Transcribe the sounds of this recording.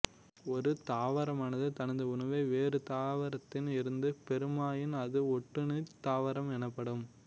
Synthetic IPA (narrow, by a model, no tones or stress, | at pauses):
ɔɾɯt̪aːʋɐɾɐmaːnɐðɯt̪ɐnɐnd̪ɐʊnɐʋeːʋeːɾɯt̪aːʋɐɾɐt̪ːɪnɪɾɯnd̪ɯpɛɾɯmaːjɪnɐðɯɔʈːɯnɯt̪ːaːʋɐɾɐmɛnɐpːɐɽɯm